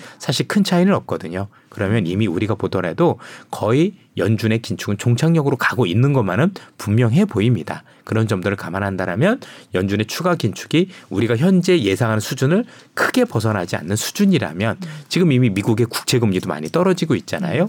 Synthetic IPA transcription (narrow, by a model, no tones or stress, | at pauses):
sʰaɕʰiɭkʰɯnt͡ɕʰainɯɾʌp̚k͈ʌdɯɲo | kɯɾʌmjʌnimiuɾiɡapodʌnɦe̞dokʌi | jʌnd͡ʑune̞kint͡ɕʰuɡɯnt͡ɕoŋt͡ɕʰaŋɲʌɡɯɾokaɡoinːɯnɡʌmanɯnpumːjʌŋɦe̞boimɲida | kɯɾʌnd͡ʑʌmdoɾɯɭkamanɦandaɾamjʌnjʌnd͡ʑune̞t͡ɕʰuɡakint͡ɕʰu̥ɡiuɾiɡaçjʌnd͡ʑe̞je̞sʰaŋɦanɯnsʰud͡ʑunɯɭkʰɯɡe̞pʌsʰʌnɦad͡ʑia̰nːɯnsʰu̥d͡ʑuɲiɾa̰mjʌnt͡ɕiɡɯmimimiɡuɡe̞ku̥k̚t͡ɕʰe̞ɡɯmɲidoma̰ɲit͈ʌɾʌd͡ʑiɡoit̚t͡ɕ͈ana̰jo